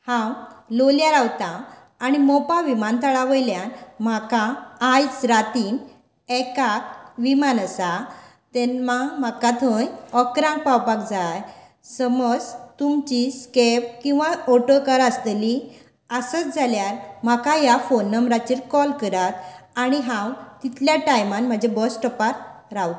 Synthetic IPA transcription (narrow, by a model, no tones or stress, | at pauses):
hãwloljaɾawt̪ãː | ɽ̃imɔpaʋimant̪əɭaʋəjljanmakãːjt͡sɾat̪in | ɛkak̚ʋimanəsa | t̪ɛnmamakat̪ʰəjɔkɾãŋk̚pawpakd͡zaj | səməd͡zt̪umt͡ɕiskep̚kĩw̃ʋaɔʈəkaɾast̪eli | əsət͡sd͡zʱaljaɾm̤akajafonːəmɾat͡ɕiɾkɔlkəɾat̪aɽ̃iɦãwt̪it̪ljaʈajmanm̤əd͡ʑʱebəsʈəpaɾɾawt̪